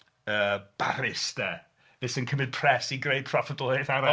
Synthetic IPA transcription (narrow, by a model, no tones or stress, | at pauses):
əːb̥aɾɪsd̥ɛ | ðɪsənkʰəmɪd̥̚pʰr̥ɛsiɡrejd̚pʰrɔfədɔɪθaɾɔ